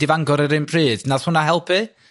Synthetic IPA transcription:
ɪvaŋɡɔɾɛɾɨnmpʰriːdnaðhʊnaɦɛlˠpʰɨ

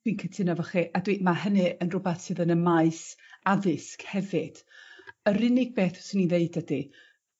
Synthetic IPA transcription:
winkʰətʰɨnavəχiʔadwiːdmaɦənɨənrʊbɛθsɨðənəmaɨsaðɪskhɛvɪd̥əɾɪnɪɡ̚beːθɔ̥sininðeɨdədi

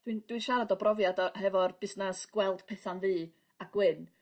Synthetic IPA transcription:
d̥wind̥winʃaɾadɔbrɔvjadɔɦɛvɔrb̥ɪsnasɡ̥wɛlˠd̥pʰɛθanviː | aɡ̥wɪn

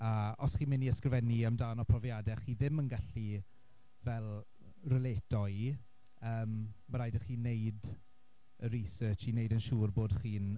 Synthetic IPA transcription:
aɔsχiːmɪniəskrvɛniəmdaːnɔpʰrɔvjadɛχiːðɪmənɡaɬi | vɛlˠ | rəleːtɔj | əːmːəɾajdəχiːnːejd | əɾisəːt͡ʃinejdənʃuːrboːdχiːn

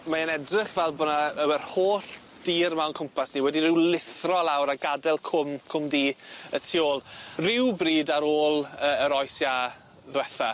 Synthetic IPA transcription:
maənɛdrɪχvɛlˠbɔnaəwɛrhoːɬ | d̥iːrmawnkʰʊmpʰasniwɛdirɪwlɪθrɔlˠawɾaɡadɛlˠkʰʊmkʰʊmdiːətʰioːlˠrɪwbriːdaɾoːlˠəːəɾɔjsja | ðwɛθa

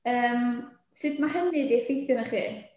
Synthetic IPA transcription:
əːm | sɨd̪maɦənidifejθɨnəχḭː

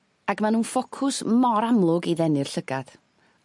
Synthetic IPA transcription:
aɡmanuːnfɔkʰʊsmɔɾamlˠʊɡiðɛnɪr̥ɬəɡad̥

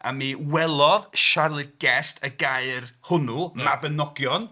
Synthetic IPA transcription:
a̰miwɛlˠɔðʃarlˠɨɡ̥ɛstʰəɡaɨrhʊnumabənɔɡjɔn

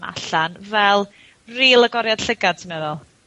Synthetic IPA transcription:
ma̰ɬanvɛlˠ | riːlˠəɡɔɾjad̥ɬəɡad̥̚tʰimɛðɔlˠ

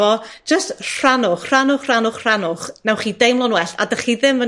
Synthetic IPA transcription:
ɔd̥d͡ʒ̥əstr̥anʊχr̥anʊχr̥anʊχr̥anʊχnawχiːdejmlˠɔnwɛɬa̰dəχiðɪmvə

